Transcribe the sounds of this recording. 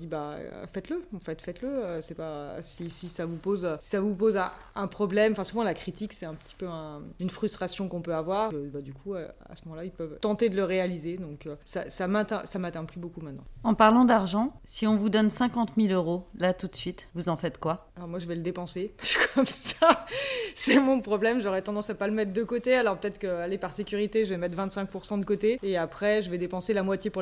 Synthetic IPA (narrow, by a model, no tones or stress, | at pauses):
d̪iba̰fɛt̪ləɑ̃fɛt̪fɛt̪ləøsɛpaø̰sisisavupozøsi̥savupozɛ̃ | ɛ̃pχɔblɛmɑ̃fɛ̃suvɑ̃lakχit̪iksɛt̪ɛ̃pə̥t̪i̥pøɛ̃ynfχyst̪χasjɔ̃kɔ̃pøavwaʁkəbad̪ykʰuø̰a̰səmɔmɑ̃lailpœvt̪ɑ̃t̪ed̪ələʁealized̪ɔ̃køsasamɛ̃t̪ɛ̃samat̪ɛ̃plybokumɛ̃t̪nɑ̃ɑ̃paʁlɑ̃d̪aʁʒɑ̃siɔ̃vud̪ɔnsɛ̃kɑ̃t̪miløʁolat̪ut̪sɥit̪vuzɑ̃fɛt̪kwaalɔʁmwaʒəvɛləd̪epɑ̃seʃkʰɔmsasɛmɔ̃pχɔblɛmʒɔʁɛt̪ɑ̃d̪ɑ̃sapaləmɛt̪χd̪əkot̪ealɔʁpət̪ɛt̪χəkəalepaʁsekʲyʁit̪eʒəvɛmɛt̪χvɛ̃t̪sɛ̃k̚puʁsɑ̃d̪əkot̪eːapχɛʒəvɛd̪epɑ̃selamwat̪jepuʁ